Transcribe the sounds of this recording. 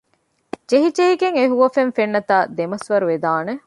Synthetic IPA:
d͡ʒeɦid͡ʒeɦiɡeŋeɦuʋɐfenfenːɐt̪aːd̪emɐsʋɐɾuʋed̪aːne

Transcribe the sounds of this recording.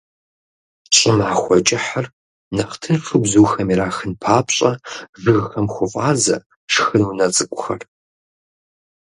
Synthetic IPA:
ɕʼɪmʕaːxʷɔt͡ʃʼɪħɐr | nɐχtʰɨnfɨbzuːxɐmiɾaːxɨnpʰaːpɕʼɐvɨɣxɐmxʷʊfʼaːzɐ̰ | ʂxɨnunɐt͡sʼɨkʷʼʊxɐ̰r

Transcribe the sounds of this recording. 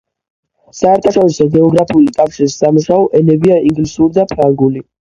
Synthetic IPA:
saɛɾt̪ʰaʃɔɾisɔɡɛɔɡɾapʰiulikʼafʃiɾisːamuʃaɔʔɛnɛbiaiŋɡlisuɾid̪apʰɾaŋɡuli

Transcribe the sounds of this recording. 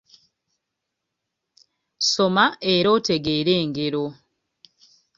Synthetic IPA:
so̞maeɾo̞ːte̞ɡe̞ːɾeːŋɡe̞ɾo

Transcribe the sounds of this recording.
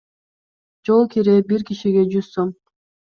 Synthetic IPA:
d͡ʒolˠkiɾebiɾkiʃiɡe̞d͡ʒyz̥som

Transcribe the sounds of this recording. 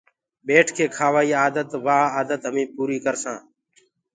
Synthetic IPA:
ɓeːʈʰkʰeːkʰaːʋaːiːaːd̪ət̪ʋaːaːd̪ət̪ɦəmĩːpuːɾiːkəɾsãː

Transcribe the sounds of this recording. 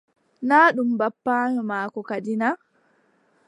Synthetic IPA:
naːɗumbapːaːɲɔmaːkɔkadina

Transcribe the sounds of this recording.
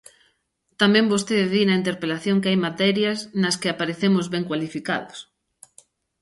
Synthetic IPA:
t̪amɛ̃mbost̪eððinɐint̪eɾpelaθjõŋkeajmat̪ɛɾjɐsnɐskɪapaɾeθemʊzβɛŋkwalifika̰ðʊs

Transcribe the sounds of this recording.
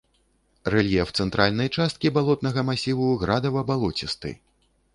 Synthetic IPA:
rɛlʲjɛft̪sɛnt̪ɾʔalʲnɐjt͡ʂast̪̚kʲibalˠɔt̪̚nɐɣɐmasʲivuɣɾad̪ɐvɐbalˠɔt͡sʲist̪ɨ̰

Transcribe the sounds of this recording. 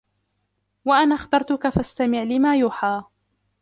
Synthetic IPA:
waʔanaːxt̪ɑɾˤt̪ʊkafast̪amɪʕlɪmaːjuːħaː

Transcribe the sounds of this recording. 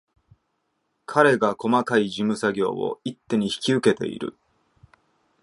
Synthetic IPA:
kʰaɾe̞ɡako̞makaiʑimɯ̟saɡʲo̞̰ːo̞̰it̪ːe̞ɲ̟içi̥kʲiɯ̟ke̞t̪e̞̰ḭɾɯ̟̰

